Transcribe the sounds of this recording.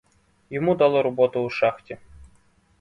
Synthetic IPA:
jɪmud̪alˠɔɾɔbɔt̪ʊːʂaxtʲɪ

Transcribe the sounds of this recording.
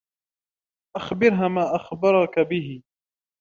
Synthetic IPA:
ʔaxbɪɾɦaːmaːʔaxbɑɾˤɑkabɪɦɪ

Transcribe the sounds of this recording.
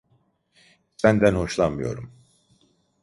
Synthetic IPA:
sænd̪ænho̞ʃlˠanmɯjo̰ɾum

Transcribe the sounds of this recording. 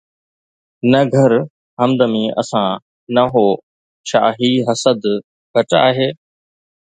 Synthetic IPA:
nɐɡʱəɾ | ɦəmd̪əmĩːʔɐ̰sãː | nɐɦoː | ʃa̰ːɦiːɦɐsəd̪ | bʱəʈa̰ːɦeː

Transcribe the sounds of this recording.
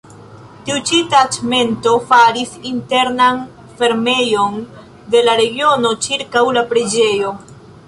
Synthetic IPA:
tiut͡ʃitat͡ʃme̞nto̞faɾisinte̞ɾnan | fe̞ɾme̞jo̞n | de̞laɾe̞ɡio̞no̞t͡ʃiɾkawlapɾe̞d͡ʒe̞jo̞

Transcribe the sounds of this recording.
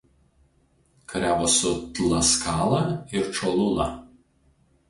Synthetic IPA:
kɐɾʲæːʋoːsʊt̪lˠɐskɑːlˠɐɪɾt͡ʃɔlˠʊnɐ

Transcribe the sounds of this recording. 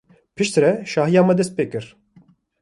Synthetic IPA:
pʰɨʃt̪ɾɛʃɑːɦijaːmɛd̪ɛst̪̚peːkɨɾ

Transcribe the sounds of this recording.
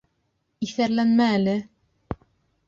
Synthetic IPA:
iθæɾlænmæːlɘ

